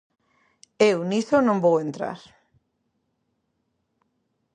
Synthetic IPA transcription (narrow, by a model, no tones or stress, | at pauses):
ewniθonõmbowent̪ɾa̰ɾ